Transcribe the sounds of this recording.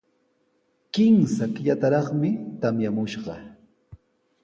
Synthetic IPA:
kɪmsakʎat̪aɾɑχmɪt̪amjamʊʃɢɑ

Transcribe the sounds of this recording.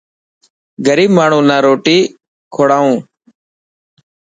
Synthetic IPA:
ɡəɾiːbmaːɳ̤ũːnaːɾoːʈiː | kʰoːɽaːũː

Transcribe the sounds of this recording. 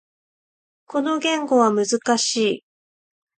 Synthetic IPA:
ko̞no̞ɡʲẽ̞ŋɡo̞β̞amɯ̟zɨkaɕiː

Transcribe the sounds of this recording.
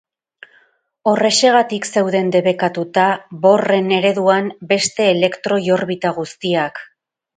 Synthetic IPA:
o̞re̞se̞ɣ̞at̪ikse̞wðe̞nd̪e̞βe̞kat̪ut̪aβo̞re̞ne̞ɾe̞ðuambe̞st̪e̞ːle̞kt̪ɾo̞jo̞ɾβit̪aɣ̞ust̪iak

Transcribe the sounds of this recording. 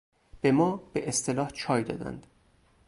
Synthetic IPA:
b̥e̞mɒːb̥eʔest̪ʰelɒːht͡ʃʰɒːjd̪ɒ̰ːd̪æ̰nd̪̥

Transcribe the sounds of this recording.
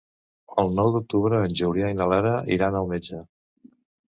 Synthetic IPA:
əlˠnɔwd̪uk̚t̪uβɾəːnʲʒuwɾiainalaɾəʔiɾanəlˠmed͡ʒə

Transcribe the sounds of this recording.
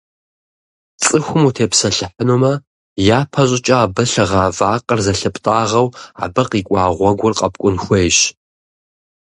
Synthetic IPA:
t͡sʼɨxʷʊmutʰeːpsɐɬɨħənuːmɐ | jaːpʰɐɕʼɪt͡ʃʼɐaːbɨɬɨʁaːvaːqʼərzɐɬɨpʼtʼaːʁɐwa̰ːbɨqiːkʷʼɑːʁʷɔɡʷʊrqʼɐp̚ʼkʷʼʊnxʷɐjɕ

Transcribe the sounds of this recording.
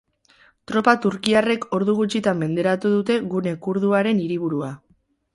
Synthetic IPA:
t̪ɾo̞pat̪uɾkiare̞kʰo̞ɾðuɣut͡ʃit̪ambe̞nd̪e̞ɾat̪uðut̪e̞ɣune̞kuɾðuaɾe̞niɾiβuɾua

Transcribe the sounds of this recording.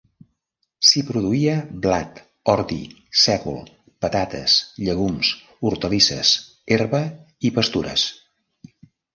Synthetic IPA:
sipɾuðuiəblat̪ | ɔɾd̪ḭ | sɛkṵlˠ | pət̪at̪ə̰sʎəɣums | uɾt̪əlisə̰s | eɾβə | ipəst̪uɾə̰s

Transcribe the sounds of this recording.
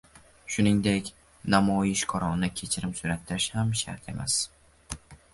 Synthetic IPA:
ʃʊnɪŋd̪ekʲ | namɒjɪʃkʰɒɾɒnnɪkʲʰe̞t͡ʃʰɪɾɪmsʊɾat̪ʰːɪɾɪʃhamʃa̰ɾt̪ʰe̞̰ma̰s

